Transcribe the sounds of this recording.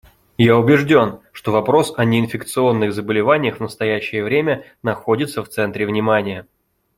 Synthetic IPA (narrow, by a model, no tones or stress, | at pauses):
jaʊbʲɪʐdʲo̞nʂt̪o̞vɐpɾo̞sɐnʲɪːnfʲɪkt̪sɨo̞nːɨxzəbəlʲɪvanʲɪjəxvnəst̪ɐjæɕːɪjəvɾʲemʲə | nɐxo̞dʲɪt̪səft̪sɛnt̪ɾʲɪvnʲɪmanʲɪjə